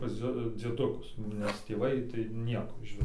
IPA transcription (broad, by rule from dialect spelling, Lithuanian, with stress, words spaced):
pɐs ˈd͡zʲiɛ d͡zʲiɛˈdʊkʊs nʲɛs tʲeːˈʋɐɪ tɐɪ ˈnʲiɛkoː ɪʃʲˈʋʲɪs